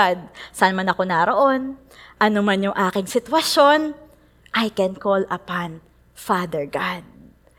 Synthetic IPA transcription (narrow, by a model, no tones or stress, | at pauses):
ad̪̚sanmanɐko̞naɾo̞ʔo̞n | ʔɐnomanjʊŋʔaːkɪŋsɪt̪wɐʃo̞n | ʔajkɛnkolɐpan | fad̪ɛɹɡad̪̚